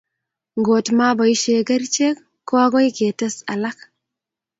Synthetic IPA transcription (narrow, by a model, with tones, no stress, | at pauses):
ŋɡo˨tma˦bo˨jʃe˨ɡɐ˦ɾt͡ʃe˦k | kːo˦a˦ɡo˦jke˨te˦sa̰˨la˦k